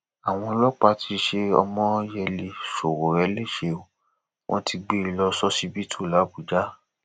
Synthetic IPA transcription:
a˨w̃ɔ̃˧lɔ˦k͡pa˦tʰi˧ʃe˧ɔ̰˧mɔ̃˦jɛ˧le˧ʃo˨wo˨ɾɛ˨˦le˦˨ʃe˧o˨ | w̃ʔɔ̰̃˦ti˧ɡ͡be˦i˨˧lɔ˧sɔ˦si˦bi˦tʰu˦˨la˨˦ɡu˨d͡ʒa˦

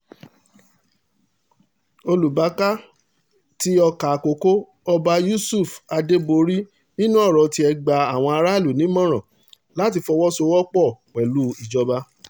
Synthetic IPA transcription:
o˧lu˨ba˨˦ka˦ | ti˦ɔ˧ka˨ko˨ko˦ | ɔ˧ba˧ju˦su˦˨fa˧de˦bo˧ɾi˦ | nĩ˦nũ˦ɔ˦˨ɾɔ˨ti˧ɛ˧ɡ͡ba˨a˨w̃ɔ̃˧a˧ɾa˦˨lu˨nĩ˨˦mɔ̃˦ɾ̃ɔ̃˨ | la˦ti˧fɔ˧wɔ˦so˧˦wɔ˦k͡pɔ˦˨k͡pɛ˨lu˨˦i˨d͡ʒɔ˧ba˧

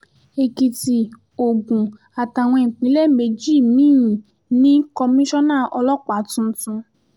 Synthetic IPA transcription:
e˨ki˨ti˨ | o˨ɡũ˨ | a˨ta˨w̃ɔ̃˧e˨k͡pĩ˨˦le˦me˨˧˨d͡ʒi˦˨mĩ˦˨ | nĩ˦kɔ˧mĩ˦ʃɔ̃˦nãː˦˨ʔɔ˧lɔ˦k͡pa˨˦tũ˧˦tũ˧

